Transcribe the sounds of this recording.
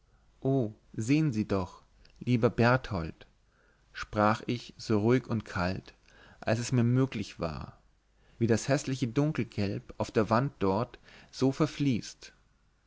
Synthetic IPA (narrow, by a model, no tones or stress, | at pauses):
ʔoː | zeːənziːdɔχ | liːbɐbɛɐthɔlt | ʃpʁ̥aːχɪçz̥oːʁuɪkʊntkʰalt | ʔalsɛsmiːɐmøːklɪçv̥a̰ːɐ | viːdashɛslɪçədʊŋkl̩ɡ̥ɛlpaʊfd̥eːɐvant̚d̥ɔɐtz̥oːfɛɐfliːst